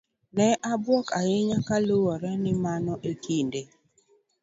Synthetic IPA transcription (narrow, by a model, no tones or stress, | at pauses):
nɛʔabwɔkaɪɲakalowɔɾɛnɪmanɔʔekinde